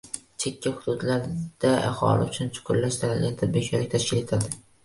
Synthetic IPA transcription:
t͡ʃʰekʲʰːahʊd̪ʊd̪laɾd̪̥aaχɒ̰lɪ̰ʊt͡ʃʰʊnt͡ʃʰʊ̥qʰʊɾlaʃt̪ʰanɪlʲant̪ʰad̪̚bit͡ʃʰalɪk̚ʲt̪ʰaʃkʲɪle̞t̪ʰad̪ɪ

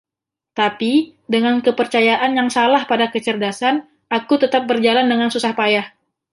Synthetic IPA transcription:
t̪apidəŋankəpərt͡ʃajaʔanjaŋsalahpadakət͡ʃərdasan | ʔakut̪ət̪ap̚bərd͡ʒalandəŋansusahpajah

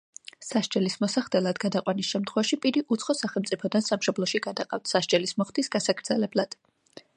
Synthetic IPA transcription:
saʃd͡ʒɛlismɔsaχd̪ɛlˠad̪ɡad̪aqʼwanisʃɛmt̪ʰχwɛvaʃipʼiɾiʔut̪sʰχɔsaχɛlˠmt̪sʼipʰɔd̪ansamʃɔblˠɔʃiɡad̪aqʼaft̪ʰsaʃd͡ʒʼɛlismɔχt̪isɡasaɡɾd̪zɛlɛblˠad̪̥

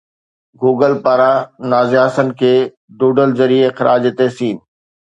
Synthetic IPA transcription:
ɡuːɡəlpaːɾanaːzɪaːsənɪ̆kʰeː | d̪uːɖəlzɐɾieɪxɪɾʔaːd͡ʑt̪eːsiːn

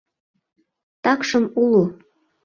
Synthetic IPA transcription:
t̪ɑkʃɤ̆mulu

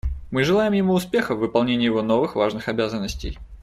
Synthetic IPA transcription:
mɨʐɨlˠajɪmjɪmuːspʲe̞xəvːɨpɐlˠnʲenʲɪːjɪvo̞no̞vɨxvaʐnɨxɐbʲazənːəsʲtʲɪ̰j

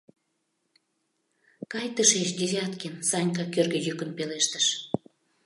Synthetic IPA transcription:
kɑjt̪əʃeʃd̪ʲezʲɑt̪kensɑnʲkɑkørɣĕjykə̆npeleʃt̪əʃ

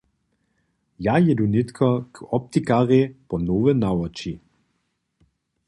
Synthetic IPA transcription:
jajɛdunɪt̪kʰɔkɔp̚t̪ikaʁepɔnoːvənawɐt͡ʃi

